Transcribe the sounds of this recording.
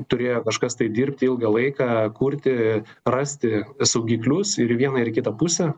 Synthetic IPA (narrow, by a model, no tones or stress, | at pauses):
t̪ʊɾʲeːjoːkɐʃkɐst̪ɐɪd̪ʲiːɾʲpʲt̪ʲɪɪlˠɡɐlˠɐɪkɑːkuːɾʲt̪ʲɪ | rɐːsʲt̪ʲɪsɐʊɡʲiːklʲʊsɪɾiʋʲiɛnɐɪrkʲɪt̪ɐpʊsʲɛ